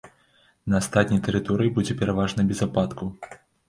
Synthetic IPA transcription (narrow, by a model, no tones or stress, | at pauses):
nɐːst̪at̪̚ʲnʲɐjt̪ɛɾɨt̪ɔɾɨjibud͡zʲɛpʲɛɾavaʐnɐbʲɛzapat̪ku